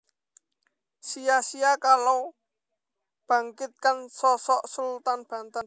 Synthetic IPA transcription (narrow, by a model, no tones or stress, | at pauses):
sijasijakalo | b̥ä̤ŋkɪt̪̚kansɔsɔʔsult̪anb̥a̤nt̪an